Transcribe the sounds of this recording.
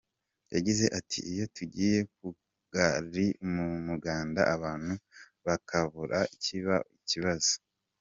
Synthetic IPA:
jaɟize̞ʔatʰiijo̞tuɟiːje̞k̚u | ɡ̥aɾimumuɡaːnda̰ʔaβaːn̥hu | βakʰaβuɾʔaiciβa̰iciβazo̥

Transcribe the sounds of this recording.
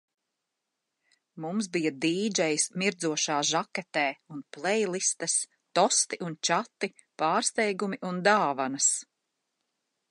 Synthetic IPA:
mumsbijad̪iːd͡ʒɛjsmiɾd̪zuɔʃaːʒakɛt̪ɛːunplˠɛjlˠist̪ɐs | t̪ɔst̪iʔunt͡ʃat̪ːi | paːɾst̪ɛjɡumiʔund̪aːvanɐs

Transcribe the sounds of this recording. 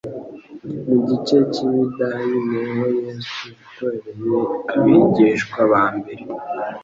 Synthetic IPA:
niɟit͡ʃe̞ciβidajinewojeːsujakoɾeɾejeaβiːɟeʃkwaβaːmbe̞ɾe

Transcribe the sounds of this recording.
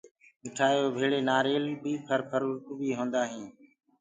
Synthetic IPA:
mɪʈʰaːjoːbʱeːɭeːnaːɾeːlbiːpʰəɾpʰəɾʊɾt̪ubiːɦõːnd̪aːɦĩː

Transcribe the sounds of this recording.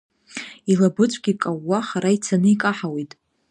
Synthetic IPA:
ilabɨt͡sʷʼɡʲikʼawːaχaɾait͡sʰanɨikʼaħawetʼ

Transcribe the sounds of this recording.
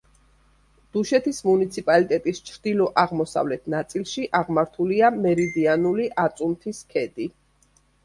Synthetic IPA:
d̪̥uʃɛt̪ʰismunit̪sʰipʼalit̪ʼɛt̪ʼist͡ʃʰɾd̪ilɔʔaʁmɔsa̰vlɛt̪ʰnat̪sʼilˠʃiʔaʁmaɾt̪ʰuliamɛɾid̪ianuliʔat̪sʼumt̪ʰiskʰɛd̪i

